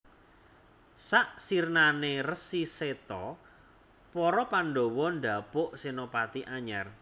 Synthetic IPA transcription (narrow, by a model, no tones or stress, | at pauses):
saʔsirnanerəsiset̪ɔ | pɔɾɔpanɖowɔnɖa̤pʊʔsinopat̪iʔaɲar